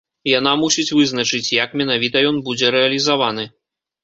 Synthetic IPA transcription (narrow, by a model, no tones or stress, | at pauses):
janamusʲit͡sʲvɨznɐt͡ʂɨt͡sʲjɐkmʲɛnavʲit̪ɐjɔnbud͡zʲɛɾɛɐlʲizavanɨ